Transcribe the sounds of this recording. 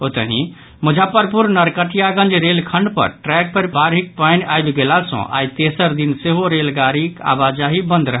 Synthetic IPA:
ot̪əɦĩ | mud͡ʒʱapəɾpuɾnəɾkəʈijaɡə̃nd͡ʒɾelkʰəɳɖpə̰ɾʈɾɛk̚pəɾbʱaɾɦik̚panajbɡelasə̰̃ʔa̰jt̪esəɾd̪inseɦoɾelɡaɾika̰bad͡ʒaɦibə̃nd̪ɾəɦ

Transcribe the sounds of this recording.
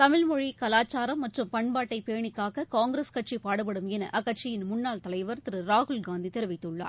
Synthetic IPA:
t̪ɐmɪlmɔɻikɐlaːt͡ʃːaːɾɐmːɐʈrɯmpɐɳbaːʈːɐɪpeːɳɪkːaːɣɐkaːŋɡɪɾeskɐʈ̚t͡ʃʂipaːɽɯp̬ːɐɽɯmɛnɐ̰ʔɐɣɐʈ̚t͡ʃɪjɪnmʊnːaːlt̪ɐlɐɪʋɐɾt̪ɪɾɯɾaːɣʊlɡaːnd̪it̪ɛɾɪʋɪt̪ːɯɭːa̰ːɾ

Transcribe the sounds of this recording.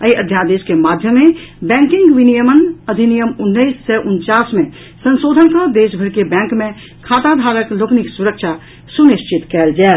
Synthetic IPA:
əiəd̪ʱjad̪eskemad̪ʱjəmːebɛ̃ŋkĩŋɡʋinijəmənəd̪ʱinijəmunːəisːɛʔunt͡ʃasmẽ | sə̃nsoːd̪ʱənkəd̪eʃbʱəɾkebɛ̃ŋkmẽ | kʰat̪ad̪ʱaɾəklokniksuɾəkʃʰa | suniʃt͡ʃit̪kɛld͡ʒɛːl

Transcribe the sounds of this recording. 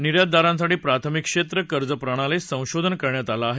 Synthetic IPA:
niɾjad̪̚d̪aɾãnsaʈiːpɾat̪ʰəmikʂet̪ɾəkəɾd͡zəpɾaɽ̃alesə̃w̃ɕod̪ʱənkəɾɳjat̪alaːɦe

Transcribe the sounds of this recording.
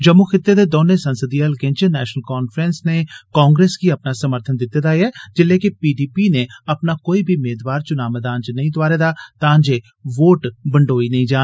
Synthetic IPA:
d͡ʒəmːuːkʰɪt̪ːeːd̪eːd̪oːnẽːsənsəd̪iːɛlkẽːnt͡ʃenɛːʃnəlkaːnpʰɾɛːnsneːkaːŋɡɾeːsɡiːəpnaːsəməɾt̪ʰənd̪ɪt̪ːed̪aːjɛːd͡ʒɪlːeːkɪpiːɖiːpiːneːəpnaːkoːiːbʱiːmeːd̪ʋaːɾt͡ʃʊnaːməd̪aːnt͡ʃnəĩːd̪ʊʋaːɾeːd̪aːt̪ãːnd͡ʒeː | ʋoːʈbəɳɖoːiːnəĩːd͡ʒaː

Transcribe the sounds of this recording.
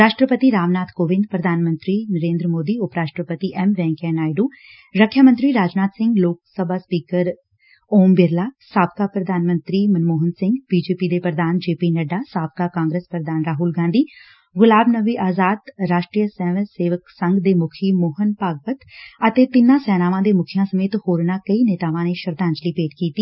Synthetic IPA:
ɾaːʃʈɾəpət̪iɾaːʋnaːt̪ʰkoːʋɪ̃nd̪̚pɾəd̪ʱaːnmə̃nt̪ɾinəɾẽːnd̪ɾəmoːd̪iʊpɾaːʃʈɾəpət̪iʔɛmʋɛ̃ːŋkɛnaːjɖuː | ɾəkʰjamə̃nt̪ɾiɾaːd͡ʒnaːt̪sɪ̃ŋɡloːksəbʱaːspiːkəɾ | oːmbɪɾlaːsaːb̚kapɾəd̪ʱaːnmə̃nt̪ɾimənmoːɦənsɪ̃ŋɡbiːd͡ʒeːpiːd̪eːpɾəd̪aːnd͡ʒeːpiːnəɖaːsaːb̚kaːkãːŋɡɾeːspɾəɾəd̪aːnɾaːɦuːlɡãːnd̪iː | ɡʊlaːbnəʋiːʔaːzaːd̪ɾaːʃʈɾiːəsɛːʋəseːʋəksəŋɡd̪eːmʊkʰiːmoːɦənpaːɡ̚pət̪ət̪eːt̪ɪnãːsɛːnaːʋãːd̪eːmʊkʰijãːsəmeːt̪hoːɾnãːkəiːneːt̪aːʋãːneːʃəɾd̪ãːɲd͡ʒliːpeːʈkiːt̪iː

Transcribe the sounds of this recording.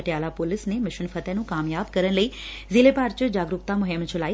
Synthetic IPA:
ʈjaːlapoːlɪsnemɪʃʊnfʰɐt̪enũːkaːmjaːbkɐɾəñləi | ziːlepaːɾt͡ʃəd͡ʑaːɡɾʊkt̪amʊɦemt͡ʃʰʊlaːi

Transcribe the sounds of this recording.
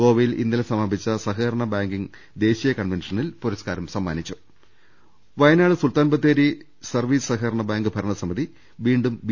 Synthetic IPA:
oːʋɐjilḭnːɐlɐsɐmabit͡ɕːɐsɐɦɐːɾɐɳɐbaːŋɡiŋ | d̪e̞ːɕijɐkɐɳʋenʂɐnilpoɾɐskaːɾɐmsɐmːa̰ːnit͡ɕːu̥ | ʋɐjɐnaːɭɨsult̪aːnbɐt̪ːeːɾi | sɐrʋiːssɐɦɐːɾɐɳɐbaːŋɡɨbʱɐɾɐɳɐsɐmiði | ʋiːɳɖumʋ

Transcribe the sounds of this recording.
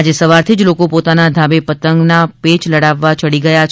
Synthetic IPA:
ad͡ʒesəʋaɾt̪ʰid͡ʒlokopot̪anad̪ʱabepət̪əŋɡnapet͡ʃləɽaʋːat͡ʃəɽiɡəjat͡ʃʰ

